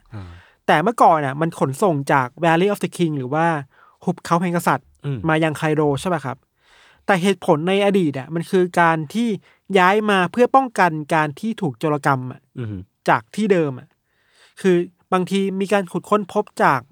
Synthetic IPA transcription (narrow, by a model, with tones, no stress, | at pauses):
t̪ɛː˨˩mɯ˥˩kɔː˨˩nʔa˨˩ma˧nkʰo˩˦nso˨˩ŋt͡ɕaː˨˩k̚bɛː˧liː˦˧ʔɔː˦˥fd̪ə˧kʰi˧ŋɾɯː˩˦waː˥˩ | hʰu˨˦˩p̚kʰa˧˦wpʰɛː˧˦ŋka˧sa˨˩t̪̚maː˧jaː˧ŋkʰaː˧jdoː˧t͡ɕʰa˥˩ba˦˥˩kʰa˦˥p̚ | t̪ɛː˨˩ɦeː˨˩t̪̚pʰo˩˦nːa˧jʔa˧diː˨˩t̪̚a˨˩ma˧nkʰɯː˧kaː˧nt̪ʰiː˥˩ | jaː˦˥jmaː˧pʰɯ˥˩ɐpɔ˥˩ŋka˧nkaː˧nt̪ʰiː˥˩t̪ʰuː˨˩k̚t͡ɕoː˧la˧ka˧mʔa̰˨˩ʔt͡ɕaː˨˩k̚t̪ʰiː˥˩dɤː˧mʔa˨˩ʔ | kʰɯː˧ | baː˧ŋt̪ʰiː˧miː˧kaː˧nkʰu˨˩t̪̚kʰo˧˥npʰo˦˥p̚t͡ɕaː˨˩k̚